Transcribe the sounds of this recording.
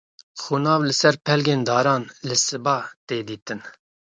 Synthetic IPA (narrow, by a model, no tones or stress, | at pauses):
xunɑːvlɨsɛɾpʰɛlɡeːnd̪ɑːɾɑːnlɨsɨbɑːt̪eːd̪iːt̪ɨn